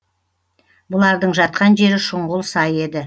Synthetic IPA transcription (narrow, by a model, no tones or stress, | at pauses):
bʊlˠɑɾd̪əɴʒɑt̪̚qɑnʒe̞ɾɪʃʊɴʁʊlˠsɑje̞d̪ɪ